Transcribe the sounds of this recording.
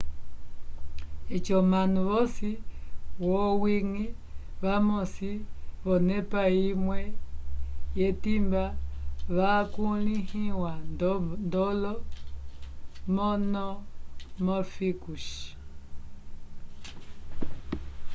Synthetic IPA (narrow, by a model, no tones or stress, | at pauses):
et͡ʃɔmanuβɔsiwɔwiŋi | βamosiβɔnepaimwɛ | jetimbaβakulihiwanndɔlɔ | mɔnɔmɔfikuʃ